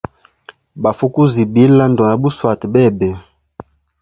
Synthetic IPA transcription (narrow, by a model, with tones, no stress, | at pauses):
ba˨fu˦ku˦zi˨bi˨˦la˦ndo˨na˨bu˦swa˨tbɛ˦˨bɛ˨